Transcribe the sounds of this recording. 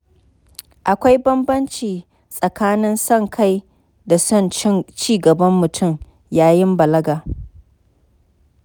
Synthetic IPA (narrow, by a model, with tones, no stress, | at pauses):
ʔa˨kʷa˦jbɐ˦mbɐ˦nt͡ʃiː˨ | sʼɐ˨kaː˦nɪ˦nsɐ˦˨ŋkʰa˦j | da˨ɐ˦˨n˦t͡ʃiː˦ɡɐ˨bɐ˦mːʊ˨tʰʊ˦˨m | jaː˦jɪ˦mbɐ˨lɐ˦ɡaː˨